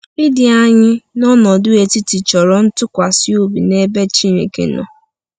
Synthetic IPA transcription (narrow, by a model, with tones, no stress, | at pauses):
ɪ˦dɪ˨a˦ɲɪ˦nɔ˦nɔ˨dʊ˦e˨ti˦ti˨t͡ʃɔ˨ɾɔ˨n̩˦tʊ˦kʷa˨sɪ˦o˦bi˨ne˦be˦t͡ʃi˦ɾḛ˨kḛ˨˦nɔ̰˨